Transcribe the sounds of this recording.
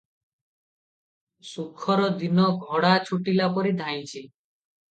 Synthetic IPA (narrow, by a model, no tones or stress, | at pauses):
sukʰɔɾɔd̪inɔɡʱɔɽat͡ʃʰuʈilapɔɾid̪ʱaj̃t͡ʃʰi